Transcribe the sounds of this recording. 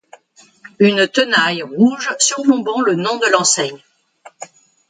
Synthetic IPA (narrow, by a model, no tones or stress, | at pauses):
ynt̪ənajʁuʒsyʁvɔ̃bɑ̃lənɔ̃d̪əlɑ̃sɛɲ